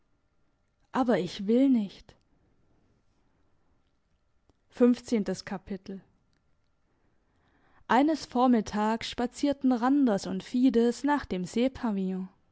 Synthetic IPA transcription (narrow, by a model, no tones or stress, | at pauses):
ʔaːbɐɪçv̥ɪlnɪçt | fʏnft͡seːntəskʰapʰɪtʰl̩ | ʔaɪnəsfoːɐmɪtʰaːksʃpat͡siːɐtn̩ʁandɐsʊntfiːdəsnaːχd̥eːmzeːpʰaviɔ̃